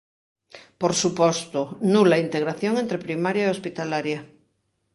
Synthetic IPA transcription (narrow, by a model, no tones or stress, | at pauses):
poɾsupost̪onulaint̪eɣ̞ɾaθjoŋent̪ɾepɾimaɾjaeo̞spit̪alaɾja